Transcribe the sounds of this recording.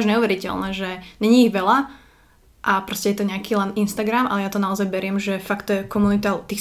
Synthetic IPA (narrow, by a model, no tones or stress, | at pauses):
ʒɲɛuʋɛɾicɛ̰lnɛʒɛɲɛɲiːɣʋɛla | ʔapɾɔscɛjɛt̪ɔɲɛakiːlɛninst̪aɡɾamʔa̰lɛjat̪ɔnaɔzajbɛɾɪɛmʒɛfakt̪ːɔjɛkɔmunit̪at̪iː